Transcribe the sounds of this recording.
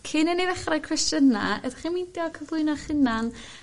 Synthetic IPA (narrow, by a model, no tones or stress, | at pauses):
kʰɪnɛneðɛχrajkʰwɛstəna̰ədaχimindjɔkʰəvlˠʊɨnɔχɪnan